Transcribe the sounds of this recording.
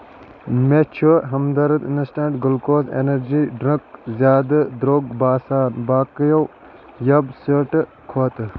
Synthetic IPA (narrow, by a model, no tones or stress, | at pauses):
met͡ʃʰuɦɐmd̪ɐɾɐd̪inəsʈaːɳɖɡulkoːzḛnɐɾd͡ʒiːɖɾɐkzjaːd̪ɐd̪ɾoːɡbaːsaːnbaːkjow | jɐbsəʈɨ | kʰoːt̪ɨ